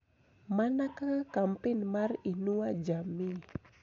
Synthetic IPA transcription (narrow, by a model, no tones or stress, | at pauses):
manakakampɪnmarinuad͡ʒami